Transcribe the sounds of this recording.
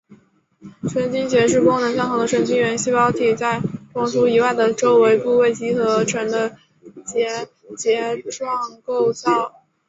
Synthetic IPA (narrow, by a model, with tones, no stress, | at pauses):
ʈ͡ʂʰɥə˧˥nt͡ɕi˥ŋt͡ɕjɛ˧˥ʂ̬ɻ̩˥˩kʊ˥ŋnɤ˧˥ŋɕjɑ˥˩ŋxɤ˧˥ŋd̪ə˧ʈ͡ʂwə˧˥nt͡ɕi˥ŋɥɛ˧˥nɕi˥pɑ˧˥ʊt̪ʰi˨˩t͡sa˥˩ɪpɑ˧˥ŋsu˥i˧˥wa˥˩ɪd̪ə˩ʈ͡ʂo˥ʊwe˧˥ɪpu˥˧we˥˩ɪt͡ɕi˥xɤ˧˥ʈ͡ʂʰwə˧˥nd̪ə˧ | t͡ɕjɛ˧˥ | t͡ɕjɛ˧˥ʈ͡ʂwɑ˥˩˧ŋko˥˧ʊt͡sɑ˥˩ʊ